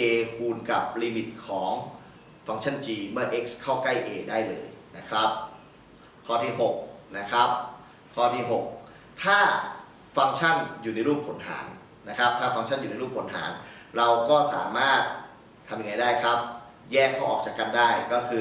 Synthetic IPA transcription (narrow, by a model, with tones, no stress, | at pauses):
ʔeː˧kʰuː˧nka˨˩p̚liː˧mi˨˩t̪̚kʰɔː˩˦ŋ | fa˧ŋt͡ɕʰa˥˩nt͡ɕiː˧mɯ˥˩ɐʔe˦˥k̚skʰːa˥˩wkla˥˩jʔeː˧daː˥˩jlɤː˧jna˦˥kʰɾa˦˥p̚ | kʰːɔː˥˩t̪ʰiː˥˩ɦo˨˩k̚na˦˥kʰɾa˦˥p̚ | kʰɔː˥˩t̪ʰiː˥˩ɦo˨˩k̚ | t̪ʰaː˥˩ | fa˧ŋt͡ɕʰa˥˩njuː˨˩na˧jɾuː˥˩p̚ʰo˩˦nɦa̰ː˩˦nː | a˦˥kʰɾa˦˥p̚t̪ʰaː˥˩fa˧ŋt͡ɕʰa˥˩njuː˨˩na˧˦jɾuː˥˩pʰo˩˦nɦa̰ː˩˦n | ɾa˧wkɔː˥˩sa̰ː˩˦maː˥˩t̪̚ʰː | a˧mja˧ŋa˧jdaː˥˩jkʰɾa˦˥p̚ | jɛː˥˩kʰːa˥˩ʔɔː˨˩k̚t͡ɕaː˨˩ka˧ndaː˥˩jkɔː˥˩kʰɯː˧